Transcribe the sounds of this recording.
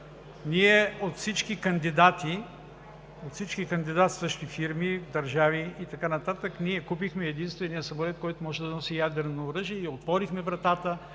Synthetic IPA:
niɛot̪fsit͡ʃkikɐnd̪id̪at̪i | ot̪sit͡ʃkikɐnd̪id̪at̪sɤʃt̪ifiɾmid̪ɐɾʒaviit̪ɐkanɐt̪at̪əkniɛkupixmɛːd̪inst̪vɛnijəsɐmolɛt̪̚kɔjt̪ʊmɔʒɛd̪ɐnɔsijad̪ɛɾnoːɾɤʒiɛiot̪vɔɾixmɛvɾɐt̪at̪ə

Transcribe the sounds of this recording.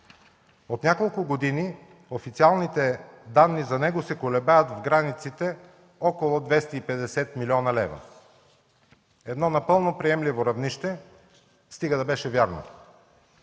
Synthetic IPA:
ot̪nʲakolˠkʊɡod̪ini | ofit̪sialˠnit̪ɛd̪anːizɐnɛɡosɛkolɛbajət̪vɡɾanit̪sit̪ɛ | ɔkolˠod̪vɛst̪ɐipɛd̪ɛsɛt̪milʲiɔnɐlɛ̰vɐ̰ | ɛd̪nɔnɐpɤlˠnopɾijɛmlivoɾɐvniʃt̪ɛ | st̪iɡəd̪ɐbɛʃɛvjaɾno̰

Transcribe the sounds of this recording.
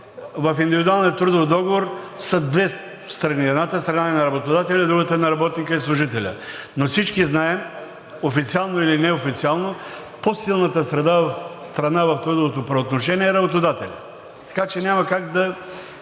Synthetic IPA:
vɐfind̪ivid̪ualˠniət̪ɾud̪ofd̪ɔɡovoɾsəd̪vɛ | st̪ɾɐniɛd̪nat̪əst̪ɾɐnaɛnɐɾɐbot̪od̪at̪ɛlʲɐid̪ɾuɡət̪əɛnɐɾɐbɔt̪nikəislˠʊʒit̪ɛlʲə̰nofsit͡ʃkiznaɛ | ofit̪sialˠnoilinɛofit̪sialˠno | posilˠnət̪əsɾɐd̪avɐfst̪ɾɐnavɐft̪ɾud̪ovot̪opɾɛot̪noʃɛniɛɛɾɐbot̪od̪at̪ɛlʲɐ̰ | t̪ɐ̥kat͡ʃɛnʲamɐkaɡd̪ɐ

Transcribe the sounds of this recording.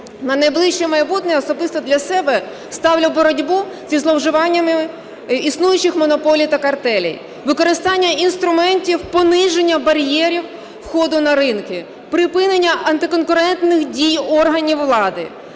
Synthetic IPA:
nɐnɐjblˠɪʃt͡ʃɛmɐjbut̪nɛjɔsɔbɪst̪ɔd̪lʲɐsɛbɛ | st̪ɑwlʲɐwbɔɾɔdʲbu | zʲizlˠɔwʒɪʋɑnʲːɐmɪ | isnujʊt͡ʃɪxmɔnɔpɔlʲijt̪ɐkɐrt̪ɛlʲḭj | ʋɪkɔɾɪst̪ɑnʲːɐinst̪ɾʊmɛnʲtʲiwpɔnɪʒenʲːɐbɐɾʲjɛɾʲiwː | xɔd̪ʊnɐɾɪnkɪ | pɾɪpɪnenʲːɐʔɐnt̪ɪkɔnkʊɾɛnt̪nɪxdʲijɔrɦɐnʲiwːlˠɑd̪ɪ̰

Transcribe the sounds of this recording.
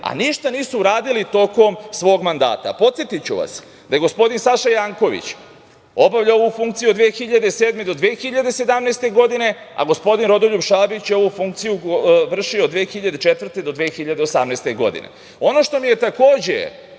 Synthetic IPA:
a̰niʃt̪aniːsuːɾaːd̪ilit̪o̞ko̞msʋo̞ːɡmand̪a̰ːt̪a̰po̞t̪sjet̪it͡ɕṵʋa̰s | d̪ajeɡo̞spo̞d̪insaʃajaŋko̞ʋḭt͡ɕ | o̞baʋʎao̞ʋufũŋkt̪sijuod̪ʋeːxiʎad̪e̞seːd̪me̞d̪o̞d̪ʋeːxiʎad̪e̞se̞d̪amnest̪e̞ɡo̞d̪ine̞ | a̰ɡo̞spo̞d̪inɾo̞d̪olʎubʃabit͡ɕjeo̞ʋufuŋk̚t̪sijuʋr̩ʃiod̪ʋeːxiʎad̪et͡ʃet̪vr̩t̪e̞d̪o̞d̪ʋeːxiʎad̪eosamnest̪e̞ɡo̞̰d̪ḭnḛ | o̞no̞ʃt̪o̞mije̞t̪ako̞ːd͡ʑḛ

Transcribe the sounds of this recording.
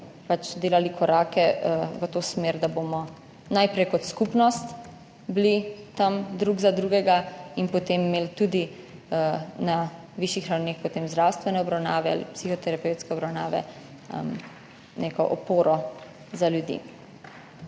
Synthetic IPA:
pat͡ʃd̪eːlalikʰɔɾaːkɛʋət̪oːsmeːɾd̪abomɔ | najpɾɛjkɔt̪skupnɔst̪ | blit̪amd̪ɾuːɡzad̪ɾuːɡɛɡainpɔt̪emːeːlt̪ud̪i | əna | ʋiʃjixɾawneːxpɔt̪eːmzd̪ɾawst̪ʋɛnɛɔbɾawnaːʋɛa̰lḭpsixɔt̪ɛɾapɛwt̪skɛɔbɾawnaːʋɛ̰ | m | nekɔ̰ʔɔpoːɾɔ | zaljud̪ḭ

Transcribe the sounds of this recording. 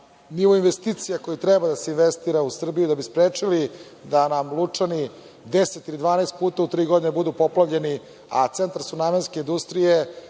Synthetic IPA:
niʋoinʋest̪iːt̪sijakojit̪ɾɛbad̪aseinʋest̪iɾausr̩bijud̪abispɾeːt͡ʂilid̪anamlˠut͡ʂani | d̪eset̪ilid̪vʋaːnest̪̚puːt̪aut̪ɾiːɡo̞d̪inebud̪upoplˠavʎe̞ni | at̪sent̪aɾsunaːmenske̞ind̪ust̪ɾije̞

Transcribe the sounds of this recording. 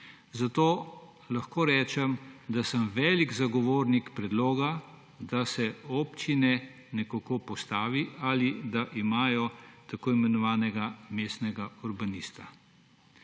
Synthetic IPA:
zat̪oː | laxkoːɾɛːt͡ʃɛmd̪asəmʋɛːliɡzaɡɔʋoːɾnikpɾɛd̪loːɡa | d̪asɛɔːpt͡ʃinɛ | nɛkakoːpɔst̪aːʋialid̪aʔimaːjɔt̪akoːimɛnɔʋaːnɛɡameːst̪nɛɡauɾbaniːst̪a̰

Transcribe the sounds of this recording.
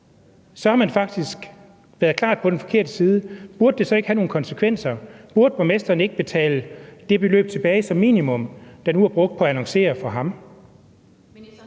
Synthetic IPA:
sɒ̽hɑ̈mænfɑ̈ɡ̥̚d̥isɡ̥ | ʋæːɐðˠkʰlɑ̰̈ːd̥̚pʰɒ̥̽enfɒ̥̽kʰe̝ɐd̥əsiːð̞ˠəb̥uɐd̥d̥esɒ̽e̝ɡ̥hæno̝ːn̩kʰɒ̽nsekʰʋen̰sɐb̥uɐd̥əb̥ʁomesd̥ɐːne̝ɡ̥̚b̥e̝t͡sʰɛ̰ːləd̥e̝b̥e̝lø̰ːb̥̚t͡sʰe̝b̥ɛːɪsɒ̽mːḭːnimɔ̽m̰d̥ɑ̈nuæɐb̥ʁɔ̽ɡ̥̚d̥̚pʰɒ̽æænɒ̽ŋse̝̰ːɐfɒɦɑ̈m

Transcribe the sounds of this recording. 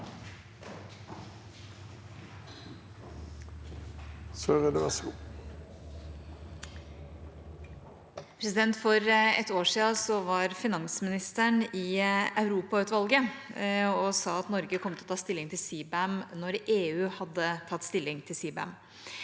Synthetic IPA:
søʁɛd̪əʋɛsɡu | pʰɾɛs̬ɪd̪ɛnt̪fɔɾɛ̰t̪ːoːʂiːɑsɔʋɑɾfɪnɑŋsmɪnɪst̪əɳɪɑʉɾuːpɑʉːt̪ʋɑlɡə | ɔsɑːɑt̪nɔɾɡəkʰɔmət̪ʰɛɔt̪ʰɑːst̪ɪlːɪŋt̪ʰɪlsiːbæmnɔɾeːʉːhɑd̪ːət̪ʰɑt̪ːst̪ɪlːɪŋt̪ʰɪlsiːbæə̰m

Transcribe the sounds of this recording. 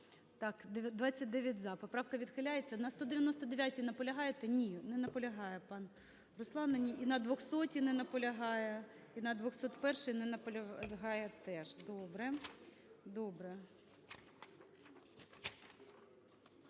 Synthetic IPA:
t̪ɑkd̪d̪ʋɑt͡sʲːɐt̚ʲd̪ɛʋʲjɐtʲzɑpɔpɾɑwkɐʋʲid̪xɪlʲajet͡sʲːɐnɐst̪ɔd̪eʋʲjɐnɔst̪ɔd̪eʋʲjatʲinɐpɔlʲɐɦɑjet̪ɛnʲinɛnɐpɔlʲɐɦɑjɛpɑn | ɾʊslˠɑnɐnʲiʔinɐd̪ʋɔxsɔtʲinɛnɐpɔlʲɐɦɑjɛ | inɐd̪ʋɔxsɔt̪pɛrʃɪjnɛnɐpɔlʲɐɦɑjɛt̪ɛʒd̪ɔbɾɛ | d̪ɔbɾɛ

